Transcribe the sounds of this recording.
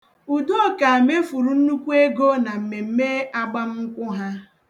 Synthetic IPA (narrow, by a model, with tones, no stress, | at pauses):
u˨do˦˨ka˨a˨me˦fu˨ɾu˨n̩˦nu˦kʷu˦e˦ɡo˦na˨m̩˨me˨m̩˦me˦a˦ɡ͡ba˦m̩˦ŋ̩˦kʷʊ˦ɦa˦